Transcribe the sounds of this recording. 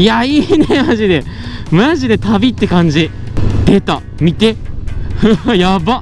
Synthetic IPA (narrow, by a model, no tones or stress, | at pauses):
jaiːne̞maʑid̪e | maʑid̪e̞t̪abʲit̪ːe̞kãɲd͡ʑi | t̪e̞t̪a̰ | mʲit̪e̞ | jaba